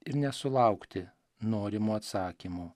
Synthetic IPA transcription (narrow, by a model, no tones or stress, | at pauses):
ɪɾnʲɛsʊlˠɑʊkt̪ʲɪ | noːɾʲɪmuːɐt̪sɑːkʲimuː